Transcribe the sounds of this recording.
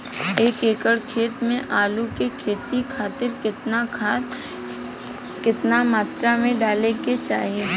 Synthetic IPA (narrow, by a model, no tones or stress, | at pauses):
eːkeːkəɽkʰeːt̪mẽʔaːlukekʰeːt̪ikʰaːt̪ɪɾkɪt̪na | kɪt̪namaːt̪ɾamẽɖaːleket͡ʃa̰ːɦie